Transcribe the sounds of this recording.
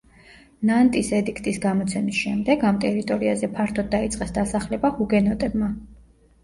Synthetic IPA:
nant̪ʼisɛd̪ikʰt̪ʼisɡamɔt̪sʰɛmisʃɛmd̪ɛɡamt̪ʼɛɾit̪ʼɔɾiazɛpʰaɾt̪ʰɔd̪̚ːait̪sʼqʼɛsd̪asaχlɛbahuɡɛnɔt̪ʼɛbma

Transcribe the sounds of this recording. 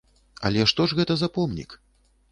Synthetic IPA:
ɐ̰lʲɛʂt̪ɔʐɣɛt̪ɐzapɔmnʲḭk

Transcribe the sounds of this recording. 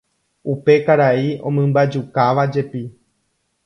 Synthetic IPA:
upe̞kaɾaiõ̞̰mɨ̃mbad͡ʒukaʋad͡ʒe̞pi

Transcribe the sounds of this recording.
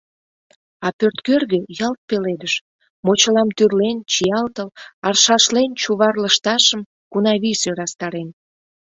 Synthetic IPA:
ɑpørt̪kørɣøjɑlt̪̚peled̪əʃ | mot͡ɕəlɑmt̪yrlent͡ɕijɑlt̪əlɑrʃɑʃlent͡ɕuβɑrləʃt̪ɑʃəm | kunɑβisøɾɑst̪ɑɾen

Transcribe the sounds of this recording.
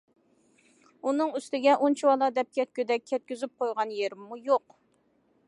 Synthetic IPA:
unɨŋyst̪ɪɡʲɛʔont͡ʃʰiwɑlˠɑd̪ɛp̚kʲʰɛt̪̚kʲød̪ɛkʲʰːɛt̪̚kʲyzyp̚qʰojʁɑnjeɾɪmːujoq

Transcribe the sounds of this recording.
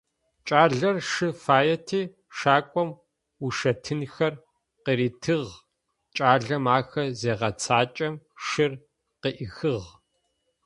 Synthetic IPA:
t͡ʃʼaːɮɐrʂɨfaːjɛtʰiː | ʃaːkʷʼɔm | uʃɐtʰɨnxɐr | qiɾiːtʰɨʁ | t͡ʃʼaːɮɐmaːxɐzeːʁɐt͡sʰaːt͡ʃʼɐmʂɨr | qəʔɪxɨʁ

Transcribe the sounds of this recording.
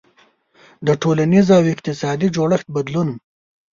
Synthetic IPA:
d̪əʈʰolanizawɪq̚t̪ɪsɑd̪id͡ʒoɽəxt̪̚bad̪lunm

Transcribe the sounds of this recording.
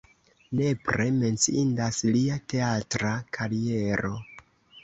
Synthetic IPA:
ne̞pɾe̞me̞nt͡siindasliate̞atɾakʰaɾie̞ɾo̞

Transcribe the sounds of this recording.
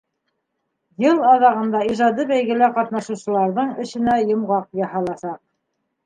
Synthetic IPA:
jɤlˠɑðɑʁɤ̆nd̪ɑiʒɑd̪ɤbæjɡɘ̆læqɑt̪nɑʃŭwsɤ̆lˠɑɾðɤɴɵ̆ʃɘ̆næjŏmʁɑq̚jɑɦɑlˠɑsɑq̚

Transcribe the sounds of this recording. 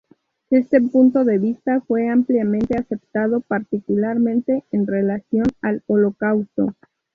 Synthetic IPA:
e̞st̪e̞punt̪o̞ðe̞βist̪afwe̞ampljamẽnt̪e̞ase̞p̚t̪að̞o̞paɾt̪ikulaɾmẽ̞nt̪e̞ːnre̞lasjo̞nalolo̞kawst̪o̞̰

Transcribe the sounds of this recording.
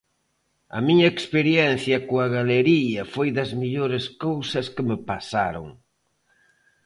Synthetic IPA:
ɐ̰miɲɐekspeɾjɛn̟θjɐkoɐɣaleɾiɐfojðɐzmiʎoɾɪskowsɐskɪmɪpasa̰ɾo̰ŋ

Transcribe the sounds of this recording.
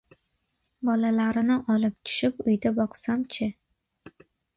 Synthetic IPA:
bɒlalaɾɪnɪʔɒlɪp̚t̪ʰʊ̥ʃɪpʊjd̪abɒqsamt͡ʃʰɪ

